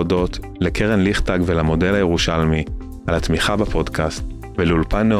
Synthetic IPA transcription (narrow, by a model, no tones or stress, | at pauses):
odo̞tlekʰeʁenliχtaɡvelamo̞de̞lajeʁuʃalmi | alatmiχabapʰo̞dkʰast | veleulpanːe